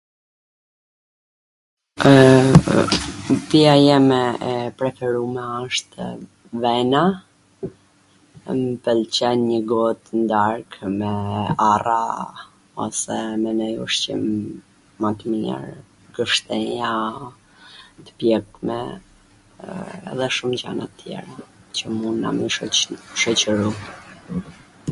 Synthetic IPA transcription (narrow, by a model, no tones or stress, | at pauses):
piajɛmɛpɾɛfɛɾumɛəʃt̪ | vɛna | məpɛlt͡ɕɛnɲəɡɔt̪ənd̪aɾkmɛara | ɔ̰sɛmɛnɛjɔʃt͡ɕḭmː | at̪miɛ̰ɾ | ɡəʃt̪ɛja | t̪ə̥pjɛkmɛ̰ | ɛ̰ðɛʃumd͡ʑa̰nat̪ːjɛ̰ɾat͡ɕəmuna̰miʃɔt͡ɕəɾu